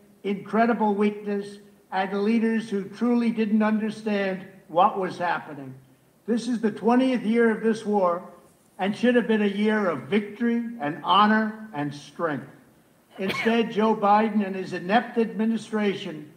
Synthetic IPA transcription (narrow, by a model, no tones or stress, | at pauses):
ɨ̃nkʰɹ̥ɛɾəbl̩ˠwik̚nɨs | ɨ̃nðəliɾə˞z̥hʉtʰɹ̥ulˠidɪdⁿn̩tʌ̃ndə˞stæ̃nd̚wʌʔwʌz̥hæpɨnɪ̃ŋ | ðɪsɨzðɨtʰw̥ɛ̃ɾ̃iɨθjɪɹʌvðɪswɔɹ | ɨ̃nʃʊɾɨvbɨ̃nɨjɪɹʌvɪk̚tə˞iɨ̃nɑnə˞ɨ̃nstɹ̥ɛ̃ŋk̚θ | ɨ̃nstɛd̚d͡ʒoʊbaɪdⁿn̩ɨ̃nɨzɨnɛp̚tɨd̚mɪ̃nɨstɹ̥eɪʃɨ̃n